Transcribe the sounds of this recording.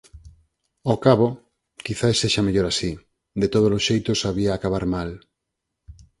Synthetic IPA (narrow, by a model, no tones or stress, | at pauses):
okaβo | kiθaesːeʃameʎoɾasi | d̪et̪oðolosʃejt̪osaβ̞iaːkaβ̞aɾmal